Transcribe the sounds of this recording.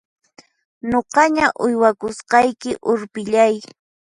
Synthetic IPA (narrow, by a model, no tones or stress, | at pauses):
noqɑɲaʔʊjwakʊsqɑjkɪʔʊɾpɪʎaj